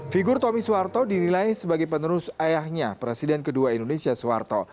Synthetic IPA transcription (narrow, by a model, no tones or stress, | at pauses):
fiɡʊrt̪omisuwart̪odinilajsəbaɡajp̬ənəɾʊsajahɲapɾesidɛnkəduaindonesiasua̰rt̪o̰